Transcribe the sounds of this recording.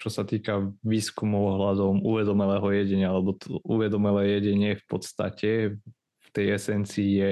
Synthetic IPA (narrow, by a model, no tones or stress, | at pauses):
t͡ʃɔsat̪iːkaʋiːskumuɔɦlad̪ɔmuʋɛd̪ɔmɛlɛːɦɔjɛɟɛɲɪaalɛbɔt̪ɔuʋɛd̪ɔmɛlɛːjɛɟɛɲɪɛfpɔt̪st̪a̰cɛ | ft̪ɛjɛsɛnt͡siːjɛ